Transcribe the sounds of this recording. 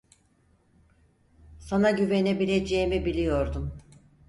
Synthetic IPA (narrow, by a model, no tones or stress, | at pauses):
sanaɟyve̞ne̞bilʲe̞d͡ʒeimibilʲijo̞ɾd̪um